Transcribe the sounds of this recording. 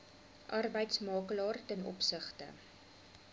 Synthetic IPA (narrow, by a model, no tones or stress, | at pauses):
ʔɐrbəjtsmɑːkəlɑːrtɛnɔ̰psəχtə̰